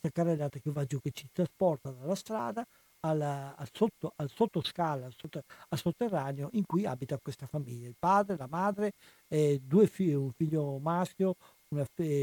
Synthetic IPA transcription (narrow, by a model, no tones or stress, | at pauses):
kst̪akarːelːaːt̪akevad͡ʒuket͡ʃit̪ɾaspɔrt̪ad̪alast̪ɾa̰ːd̪aː | lːsot̪ːoalsot̪ːoskalalsot̪ːalsot̪ːerːaːneoʔiŋkuia̰bit̪akwest̪afamiʎːailpaːd̪ɾelamaːd̪ɾe | ɛd̪uefiuɱfiʎːomaskjo | unaf